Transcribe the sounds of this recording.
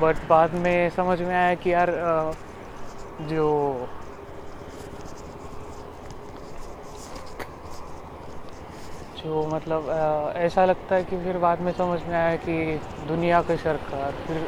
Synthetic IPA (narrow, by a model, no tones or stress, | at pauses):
bɐʈbaːd̪mẽsɐməd͡ʒʱmẽaːjakijaːɾ | d͡ʒoː | d͡ʒoːmɐt̪ləbɛːsalɐɡ̚t̪aɦɛkifɪɾbaːd̪mẽsɐməd͡ʒʱmẽaːjakid̪ʊnijakeʃɐɾkaːɾfɪɾ